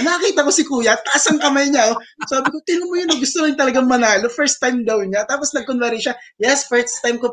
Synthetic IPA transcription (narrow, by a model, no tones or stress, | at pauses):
nɐkɐkiːt̪ɐko̞sɪkuːjɐt̪ɐʔasɐŋkɐmajɲao | saːbɪko̞t̪ɪnʊŋmojʊnɐɡʊst̪olɪŋt̪ɐlɐɡaŋmɐnaːlofɛɹst̪ːajmd̪ɐwɲat̪aːposnɐɡ̚konvɛɾɛʃa | jɛsfɛɹst̪ajmko